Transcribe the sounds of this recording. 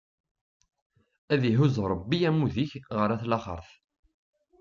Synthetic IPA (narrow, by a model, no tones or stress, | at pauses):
æðiɦuzɾˤəbːiæmːuðiçʁəɾˤæθlɑχə̰ɾˤθ